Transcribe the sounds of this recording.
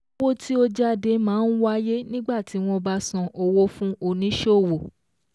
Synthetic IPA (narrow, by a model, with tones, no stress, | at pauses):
wo˦tʰi˦o˧d͡ʒa˦de˧mãː˨˦n̩˦wa˦je˦nĩ˦ɡ͡ba˦˨ti˨˦w̃ɔ̃˧ba˧sã˧ʔo˧wo˦fũ˦ʔo˧˨nĩ˨˦ʃo˦˨wo˨